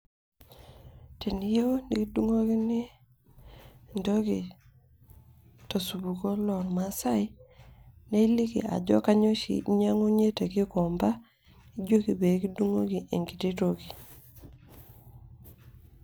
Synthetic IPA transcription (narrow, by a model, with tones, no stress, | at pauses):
ti˨n˦jo˦ni˨ki˦du˦ŋo˦ki˦nɪ˦ | ndo˦ɡi˨ | to˨su˨bu˨ko˦lɔ˨ŋma˦sa˦i˦ | ne˦i˦li˦kḭ˨a̰˨d͡ʒɔ̰˦ka˦ɲo˦ʃḭ˨ɲa˦ŋo˦ɲe˦te˨kɪ˦kɔ˨mba˦ | i˦d͡ʒo˦ki˨be˨˦ki˦du˦ŋo˦ɡi˨ʔe˨ŋɡi˨ti˦to˦ɡi˨